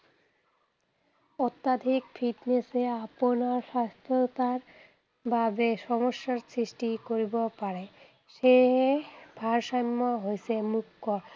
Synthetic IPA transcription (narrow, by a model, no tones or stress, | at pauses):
ɔt̪ːad̪ʱikfiʈneseaponaɾʃast̪ʰot̪aɾ | bʱabeʃɔmoʃːaɾsɾiʃʈikoɾibopaɾe | ʃe | bʱaɾʃamːoɦoet͡ɕʰemukːo